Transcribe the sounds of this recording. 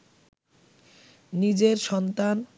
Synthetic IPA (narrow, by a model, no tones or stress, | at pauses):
nid͡ʑeɾʃɔnt̪an